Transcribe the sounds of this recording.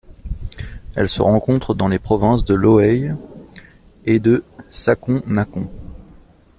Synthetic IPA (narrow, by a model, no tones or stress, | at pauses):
ɛ̰lsə̰ʁɑ̃kɔ̃t̪χəd̪ɑ̃lepχɔvɛ̃s̬d̪əlɔɛj | ed̪əsakɔ̃nakɔ̃